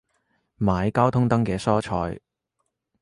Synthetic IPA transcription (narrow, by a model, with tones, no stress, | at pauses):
maː˨˧jkaː˥wt̪ʰʊ˥ŋt̪ɐ˥ŋkɛː˧sɔː˥t͡ʃʰɔː˧j